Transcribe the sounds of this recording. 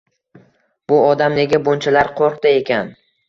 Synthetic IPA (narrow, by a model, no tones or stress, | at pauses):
b̥ʊɒd̪amne̞ɡʲabont͡ʃʰalaɾqʰoɾqd̪aekʲʰan